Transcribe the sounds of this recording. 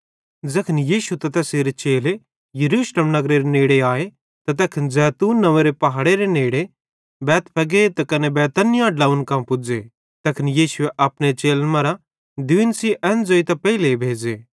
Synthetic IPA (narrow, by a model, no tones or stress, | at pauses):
d͡zɐkʰnijiːʃut̪ɐt̪ɐseːɾet͡ʃeːle | jɐɾuːʃleːmnɐɡɾeɾeneːɽeaːe | t̪ɐt̪̬ɐkʰənzɛːt̪uːnːɐʋeɾepɐɦaːɽeɾeneːɽe | bɛːt̪pʰɐɡet̪ɐkɐnebɛːt̪ənɪjãɖlaːunkãpʊd͡ze | t̪ɐkʰnijiːsʊeʔɐpnet͡ʃeːlmɐɾa | d̪ɪɪnsiʔɛnd͡zoːit̪ɐpɛilebʱeːd͡ʒeː